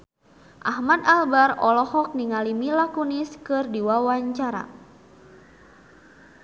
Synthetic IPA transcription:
ʔahmad̪albarɔlɔhɔk̚niŋalimilakuniskɨrdiwawaɲt͡ʃaɾa̰

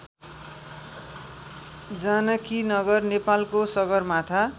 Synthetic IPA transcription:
d͡zanʌkinʌɡʌrnepalkosʌɡʌrmat̪ʰa

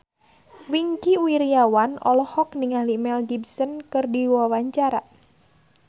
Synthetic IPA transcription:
wiŋkiuiɾiawanɔ̰lɔhɔkniŋalimɛlɡibsənkɨrdiwawaɲt͡ʃaɾa

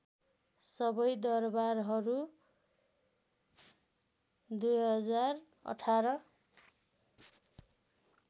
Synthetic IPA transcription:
sʌbʌjd̪ʌrbaɾɦʌɾu | d̪ujɦʌd͡zar | ʌ̰ʈʰaɾʌ

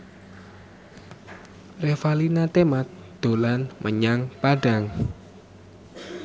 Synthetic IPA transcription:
refalinat̪emat̪̚d̪̥o̤lanmʔəɲaŋpaɖa̤ŋ

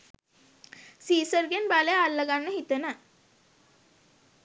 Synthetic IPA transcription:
siːsəɾɡenbalejalːəɡanːəɦit̪ənə

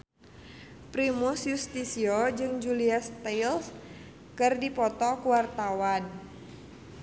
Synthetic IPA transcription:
pɾimusjust̪isiod͡ʒɨŋd͡ʒuliast̪els | kɨrdipɔt̪ɔkuwart̪awan

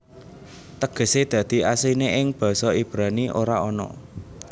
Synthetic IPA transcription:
t̪əɡ̥ə̤sed̪̥ä̤d̪̥i̤asineʔɪŋb̥a̤sɔib̥ɾa̤niʔo̰ɾaɔnɔ̰

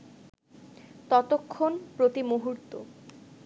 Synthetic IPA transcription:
t̪ɔt̪okʰːonpɾot̪imoɦuɾt̪o̰

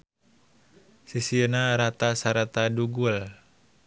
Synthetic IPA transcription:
sisiənaɾat̪asaɾat̪aduɡul

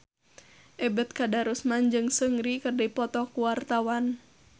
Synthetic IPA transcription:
ʔɛbət̪̚kadaɾusmand͡ʒɨŋsəŋɾikərdipɔt̪ɔkuwart̪awan

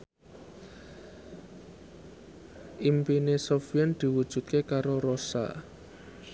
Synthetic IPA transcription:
ʔimpinesofiɛnd̪̥i̤wud̥ʒ̥ṳt̪̚kekaɾoɾosa̰

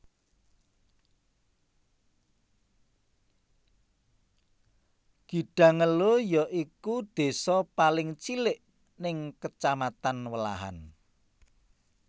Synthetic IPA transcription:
ɡ̥i̤ɖ̥ä̤ŋəlojɔʔikud̪̥e̤sɔpalɪŋt͡ʃilɪʔ | nɪŋkət͡ʃamat̪anwəla̰ɦa̰n

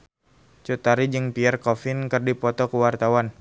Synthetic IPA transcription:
t͡ʃut̪aɾid͡ʒɨŋpiɛrkɔfɪnkərdipɔt̪ɔkuwart̪awan

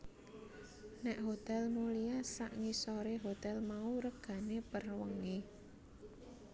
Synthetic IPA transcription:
nɛʔɦot̪ɛlmuliasaʔŋisɔɾeɦot̪ɛlmauɾəɡ̥ä̤nepərwəŋi

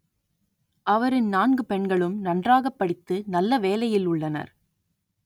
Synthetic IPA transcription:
ʔɐʋɐɾɯnnaːnɡɯpɛɳɡɐɭɯmnɐndraːɣɐpːɐɽɪt̪ːɯnɐlːɐʋeːlɐjɪlʊɭːɐnɐ̰ɾ

